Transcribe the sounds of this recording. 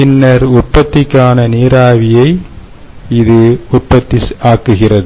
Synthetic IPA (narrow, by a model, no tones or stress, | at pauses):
ɪnːɐɾʊʈ̚pɐt̪ːɪkːaːnɐniːɾaːʋɪjɐɪ | ɪðɯʊʈpɐt̪ːɪsaːkːɯɣɪrɐðɯ